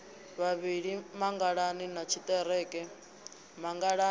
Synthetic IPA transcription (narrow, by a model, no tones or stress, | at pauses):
βaβiɺimaŋɡaɺaninat͡ʃʰit̪ʼɛɾɛkʼɛ | maŋɡaɺa